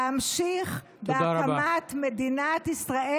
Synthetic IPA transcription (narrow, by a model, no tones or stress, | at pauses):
amʃiχ | beamat̪med̪inat̪isʁae